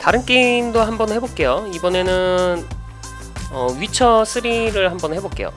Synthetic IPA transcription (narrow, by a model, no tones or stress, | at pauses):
taɾɯnk͈indoɦambʌnhe̞bok͈e̞joibʌne̞nɯn | ʌɥit͡ɕʰʌs͈ʰɯɾiɾɯɭɦambʌnhe̞bok͈e̞jo̰